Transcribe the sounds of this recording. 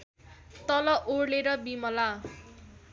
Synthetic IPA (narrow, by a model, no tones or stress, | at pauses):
t̪ʌlʌʔorleɾʌbimʌla